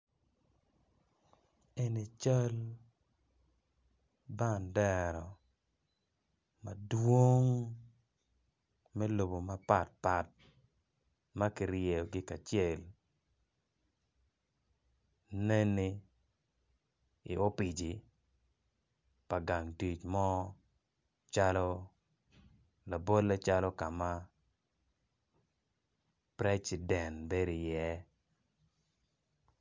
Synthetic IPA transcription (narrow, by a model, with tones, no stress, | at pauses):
e˦ni˨t͡ʃa˦l | ba˦˨ndɛ˦ɾɔ˨ | ma˨dwo˦ŋ | mɛ˦lo˨bo˨ma˨pa˨t̚pa˨t̚ | ma˦kɪ˨ɾje˨ɡɪ˦ka˨t͡ʃɪɛ˨l | ne˦nːi˦ | i˨o˦pi˨d͡ʒi˨ | pa˨ɡa˨ŋti˨t͡ʃmɔ˦ | t͡ʃa˦lɔ˦ | la˨bo˦lːe˦t͡ʃa˦lɔ˦ka˨ma˦ | pɾɛ˦si˨dɛ˨nbe˦ɾi˨jɛ˦